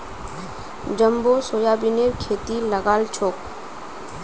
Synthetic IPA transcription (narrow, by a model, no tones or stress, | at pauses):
d͡ʒəmbosoːjabineɾkʰeːt̪iləɡaːlt͡ʃʰoːk